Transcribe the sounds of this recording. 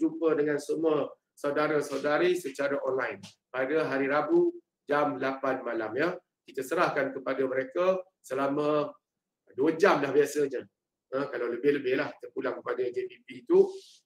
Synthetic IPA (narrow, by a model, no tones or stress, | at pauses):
d͡ʒupədəŋansəmuə | sawdaɾasawdaɾisət͡ʃaɾaʔɔnlajn | padəɦaɾiɾabu | d͡ʒamlapanmalamjə | kit̪asəɾahkankəpadaməɾeka | səlamə̃ | duəd͡ʒamlahbiasəɲə | əkalawləbɪhləbɪhlaht̪ərpulaŋkəpadad͡ʒebipiːt̪u